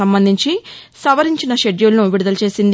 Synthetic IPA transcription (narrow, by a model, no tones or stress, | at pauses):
ɐmbɐnd̪ʱiɲt͡ʃisɐʋɐɾiɲt͡ʃinɐʃeɖjulnuʋiɽud̪ɐlt͡ʃe̞ːsind̪